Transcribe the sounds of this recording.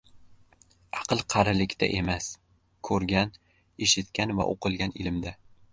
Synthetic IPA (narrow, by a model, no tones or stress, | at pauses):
ɑqɨlˠqʰɑɾɪlɪkʲt̪ʰa̰ʔe̞mas | kʰɵɾɡʲan | eʃɪt̪kʲanva̰ʔo̰qɨlˠɡʲanɪlɪmd̪a